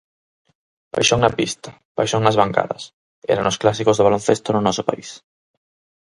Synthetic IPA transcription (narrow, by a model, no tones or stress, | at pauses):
ba̰jʃoŋnɐpist̪a | b̥a̰jʃoŋnɐzβaŋka̰ðɐ̰s | ɛ̰ɾanʊsklasikozðoβalonθest̪onʊnɔsopa̰is